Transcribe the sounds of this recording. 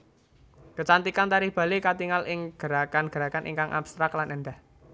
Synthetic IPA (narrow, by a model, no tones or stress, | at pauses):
k̪ə̤t͡ʃant̪ikant̪aɾihb̥ä̤lekat̪iŋalʔɪŋɡ̥ə̤ɾakanɡ̥ə̤ɾakanʔḭŋkaŋʔa̰b̥st̪ɾaklanʔɛnd̪ah